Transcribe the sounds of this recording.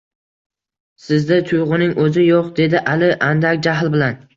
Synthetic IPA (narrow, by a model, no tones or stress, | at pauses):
sɪzd̪ɪt̪ʰʊjʁɨnɪŋɵzɪjoqd̪e̞d̪ɪʔalɪʔand̪akʲd͡ʒaɦlbɪlan